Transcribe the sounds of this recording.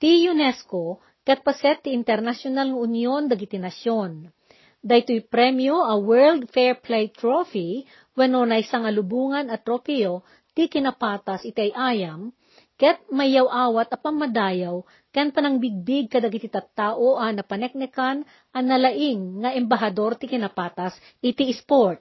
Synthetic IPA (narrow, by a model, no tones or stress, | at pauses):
t̪ijʊnɛsko | kɛt̪̚pɐsɛt̪ːɪʔɪnt̪ɛɾnɐsjonalŋɐʊnjo̞nd̪ɐɡit̪ɪnɐʃjo̞n | d̪ɐjt̪ojpɾɛmjoʔɐwɛɹld̪fɛɹplɛjt̪ɾofi | wɛnonɐʔɪsaŋɐlʊbuːŋɐnɐt̪ɾopɛo | t̪ɪkɪnɐpaːt̪ɐsʔɪt̪iɐjʔaːjɐm | kɛt̪̚mɐjjːawʔaːwɐt̪ɐpɐŋmɐd̪aːjɐw | kɐjɐnpɐnɐŋbɪɡ̚bɪɡ̚kɐd̪ɐɡɪt̪ɪt̪ɐt̪ːaːʔoʔɐnɐpɐnɛk̚nɛkɐn | ʔɐnɐlɐʔɪŋːɐʔɛmbɐɦɐd̪o̞ɾt̪ɪkɪnɐpaːt̪ɐs | ʔɪt̪iʔɪspoɹt̪̚